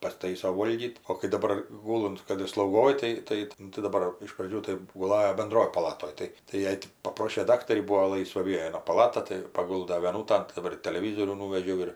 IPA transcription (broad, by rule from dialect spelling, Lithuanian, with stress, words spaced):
pɐsˈtɐɪsoː ˈʋoːlʲɡʲiːt oː kɐɪ dɐˈbɐr ˈɡʊlˠʊnt ˈkɐt ɪr slˠɐʊɡoːj ˈtɐɪ ˈtɐɪ nʊ tɐɪ dɐˈbɐr ɪʃ prɐˈd͡ʒʲuː tɐɪ ɡʊˈlˠɑːjoː bʲɛnˈdroːj pɐˈlˠɑːtoːj ˈtɐɪ tɐɪ ˈjɛɪ tʲɪ pɐˈproːʃʲeː ˈdɑːktɐrʲiː ˈbuːoː ˈlˠɐɪsʋɐ ˈʋʲiɛnɐ pɐˈlˠɑːtɐ tɐɪ pɐˈɡʊlˠdɐ ʋʲiɛˈnuːtɐn dɐˈbɐr ɪr tɐlʲɛˈʋʲiːzoːrʲuː nuːʋʲɛʒʲɛʊ ɪr